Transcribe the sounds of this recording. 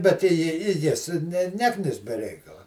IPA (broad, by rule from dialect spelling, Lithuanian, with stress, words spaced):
bʲɛt ɪ jɪ ɪ ˈjɪs nʲɛ ˈnʲæːknʲɪs bʲɛ ˈrʲɛɪkɐlˠɐ